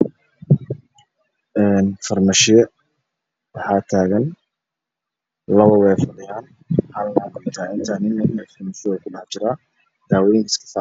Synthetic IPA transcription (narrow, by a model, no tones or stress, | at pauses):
ʔɛːnfɐrmɐʃɪjɛ | wɑħɑːt̪ʰaːɣɐn | lɐβɐwɛːfɐðɪjaːn | halnaːkʊt̪ʰaːɪnt̪ʰaːnɪnːɐmfɪmɪsɪɔkʰʊɖɑħt͡ʃɪɾaː | d̪̥aːwɛjɪŋkʰɐskʰɐ̥fa